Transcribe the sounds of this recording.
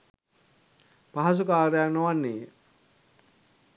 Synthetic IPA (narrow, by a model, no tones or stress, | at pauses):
paɦas̬ukaːɾejanoʋanːeːe